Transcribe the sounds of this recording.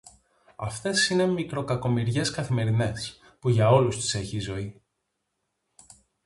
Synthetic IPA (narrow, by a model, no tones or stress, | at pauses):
ɐ̰ft̪e̞sine̞mikɾo̞kɐko̞miɾʝe̞skɐθime̞ɾine̞s | puʝɐo̞lust̪i̥se̞çizo̞i